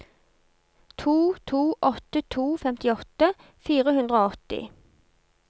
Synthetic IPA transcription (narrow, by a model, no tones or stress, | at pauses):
t̪ʰuːt̪ʰuːʔɔt̪ət̪ʰuːfɛmt̪ɪɔt̪ə | fiːʁəhʉnd̪ʁəoːɔt̪ɪ̰